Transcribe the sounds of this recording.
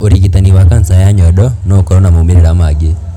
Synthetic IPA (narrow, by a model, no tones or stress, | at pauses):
oɾikit̪aniwakansajaɲɔɗɔnɔkɔɾɔnamomeɾeɾamaɡɪ